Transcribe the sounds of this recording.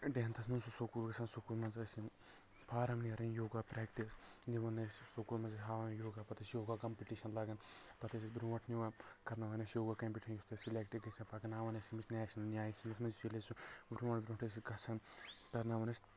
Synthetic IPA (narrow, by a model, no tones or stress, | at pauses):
ɖeɦɐnt̪ʰɐsmɐnsusokuːlɡɐsɐnsokulmɐnzɐsi | pʰaːɾɐmniɐɾɐnjoːɡaːpɾɛːkʈisniʋɐnːɐssokuːlmɐnzɐsɦaːʋɐnjoːɡaːpɐt̪ɐsjoːɡaːkɐmpʲiʈiʃɐnlɐɡɐnpɐt̪ɐs̬ʲisbɾuʋɐʈʰniʋakɐɾnaʋɐnɐsjoːɡakɐmpʲiʈʲinjist̪ʰɐsilʲek̚ʈiɡɐsɐnpakɐnaːʋɐnɐsimisʲnʲaːʃɐnnʲjaːjisinɐsmɐnzt͡ʃilesuʋɾuʋɐɳʈʋʲɾʲuɳʈʰɐsiɡɐsʰɐnt̪ɐɾnaʋɐnɐsʲ